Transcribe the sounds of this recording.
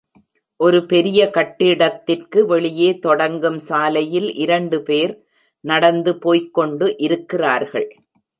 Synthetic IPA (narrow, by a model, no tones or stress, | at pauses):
ʔɔɾɯpɛɾɪjɐkɐʈːɪɽɐt̪ːɪrkɯʋɛɭɪjeːt̪ɔɽɐŋɡɯmsaːlɐjɪlʔɪɾɐɳɖɯpeːɾ | nɐɽɐnd̪ɯpoːjkːɔɳɖɯʔɪɾɯkːɪraːɾɣɐɭ